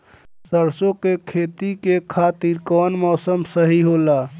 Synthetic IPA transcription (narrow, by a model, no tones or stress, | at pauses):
səɾsokekʰet̪ikekʰat̪iɾkɔnmɔːsəmsəɦiɦola